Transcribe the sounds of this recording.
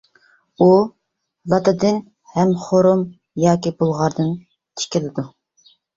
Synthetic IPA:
u | lˠɑt̪ɨd̪ɨn | hɛmχoɾum | jɑːkʲibolˠʁɑɾd̪ɨn | t̪ʰɪ̥kʲɪlɪd̪u

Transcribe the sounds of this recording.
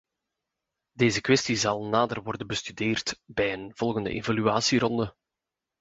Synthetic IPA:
deːzəkʋɛstizɑlˠnaːdərʋɔrdənbəstydeːrtbɛjənv̥ɔlˠɣəndə̰ʔevalyaːsiɾɔndə

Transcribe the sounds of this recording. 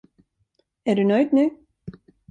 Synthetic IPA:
ɛɾðʉnœːɥt̪nʏ

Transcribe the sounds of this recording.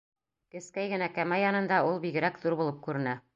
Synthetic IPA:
kɘ̆skæjɡɘ̆nækæmæjɑnɤ̆nd̪ɑulˠbiɡɘ̆ɾækðuɾbulˠɤp̚kʉɾɘ̆næ

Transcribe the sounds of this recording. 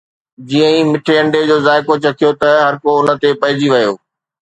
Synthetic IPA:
d͡ʑiːə̃ĩmɪʈʰeɐ̃ɳɖed͡ʑoːzaːɪkot͡ɕɐt̪ʰijot̪ɐɦɐɾkoʊnə̆t̪epɐɦɪd͡ʑiʋɐjoː

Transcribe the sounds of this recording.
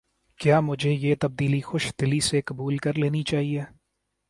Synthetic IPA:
kjaːmʊd͡ʒʱejeːt̪ɐb̚d̪iːlixʊʃd̪̥ɪlisekɐbuːlkɐɾleːnit͡ʃaːɦieː

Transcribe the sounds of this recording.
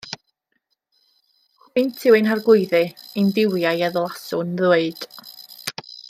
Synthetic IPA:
hɨntʰɪwɨnɦarɡʊɨðɨɨndɪwjajɛðlˠasʊnðweɨd̥

